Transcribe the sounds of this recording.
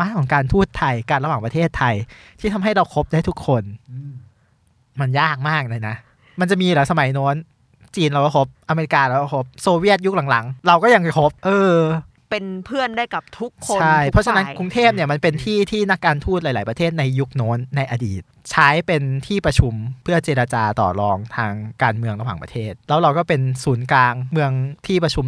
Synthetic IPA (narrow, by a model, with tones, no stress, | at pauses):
maː˦˥nkʰɔː˩˦ŋkaː˧nt̪ʰuː˥˩t̪ʰa˧jka˧nɾa˧waː˨˩ŋpɾa˧t̪ʰeː˥˩t̪ʰːa˧jt̪ʰiː˥˩t̪ʰa˧mɦa˥˩jɾa˧wkʰo˦˥p̚daː˥˩jt̪ʰu˦˥kʰːo˧n | ma˧njaː˥˩k̚maː˥˩k̚na˧˩jna˦˥ʔ | ma˧nt͡ɕa˨˩ʔmiː˧lɛ˨˦˥wsa˧ma˨˩˦jnɔː˦˥n | t͡ɕiː˧nɾa˧wkɔː˥˩kʰo˦˥p̚ʔa˧meː˧i˧˥kaː˧ɾa˧˩wkɔ˥˩kʰo˦˥p̚soː˧wi˥˩ət̪̚ju˦˥k̚la˩˦ŋla˩˦ŋɾa˧wkɔː˥˩ja˧ŋkʰo˦˥p̚ʔɤː˧ | pe˧npʰɯ˥˩ənda˥˩jka˨˩p̚t̪ʰu˦˥kʰːo˧t͡ɕʰa˥˩jppʰɔ˦˥t͡ɕʰa˧na˦˥nku˧ŋt̪ʰeː˥˩p̚ni˥˩ɐma˧npe˧nt̪ʰiː˥˩t̪ʰiː˥˩na˦˥kːaː˧nt̪ʰuː˥˩t̪̚laː˨˦laː˩˦pɾa˧t̪ʰeː˥˩t̪̚na˧jːu˦˥k̚noː˦˥nːa˧jʔa˧diː˨˩t̪̚t͡ɕʰaː˦˥jpe˧nt̪ʰiː˥˩pɾa˧t͡ɕʰu˧mpʰɯ˥˩ɐt͡ɕeː˧ɾa˧t͡ɕaː˧t̪ɔ̰ː˨˩ɾɔː˧ŋt̪ʰaː˧ŋkaː˧nmɯ˧əŋɾa˧waː˩ŋpɾa˧t̪ʰeː˥˩t̪̚lɛː˦˥wɾa˧wkɔː˥˩pe˧nsuː˩˦nklaː˧ŋmɯ˧əŋt̪ʰiː˥˩pɾa˧t͡ɕʰu˧m